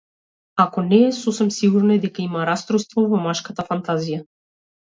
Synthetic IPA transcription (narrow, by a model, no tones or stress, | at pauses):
akɔnɛːsɔsɛmsiɡuɾnad̪ɛkaimaɾast̪ɾust̪vɔvɔmaʃkat̪afant̪azija